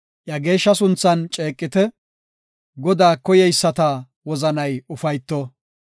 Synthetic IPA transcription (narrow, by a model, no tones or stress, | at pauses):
ʔjɐɡe̞ːʃːɐsʊnt͡sːɐnt͡ʃʼe̞ːkʼːɪt̪ɛ | ɡɔd̪aːkɔjɛjsːɐt̪ɐ | wɔzɐnɐjʊfɐjt̪ːɔ